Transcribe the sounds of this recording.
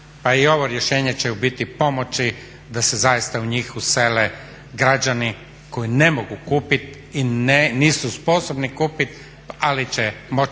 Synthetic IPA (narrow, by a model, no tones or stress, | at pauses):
paio̞ʋo̞ɾjeʃe̞ːɲet͡ɕeubit̪ipo̞mot͡ʃi | d̪asezajist̪auɲixusele | ɡɾad͡ʒani | ko̞ine̞moɡukuːpit̪ | ineniːsuspo̞sobnikuːpit̪ | alit͡ɕemo̞